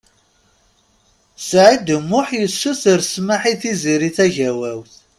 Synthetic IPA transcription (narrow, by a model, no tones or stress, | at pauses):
sʕid̪əmːʊħjəsːuθəɾsmaħiθiziɾiθæʝæwæwθ